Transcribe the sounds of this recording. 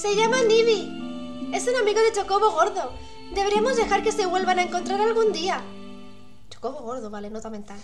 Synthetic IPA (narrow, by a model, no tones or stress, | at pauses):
se̞ʝamaniβi | e̞sunamiɣo̞ðe̞t͡ʃo̞ko̞βo̞ɣ̞o̞ɾðo̞ | d̪eβeɾemo̞zðe̞xaɾke̞se̞βwe̞lβanaeŋkont̪ɾaɾalɣund̪ia | t͡ʃo̥ko̞βoɣo̞ɾðoβalenot̪ament̪al